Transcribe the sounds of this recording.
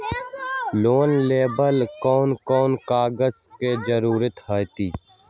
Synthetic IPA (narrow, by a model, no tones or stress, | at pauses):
loːnleːbəlkɔːnkɔːnkaːɡəzked͡ʒəɾuːɾət̪haːt̪iː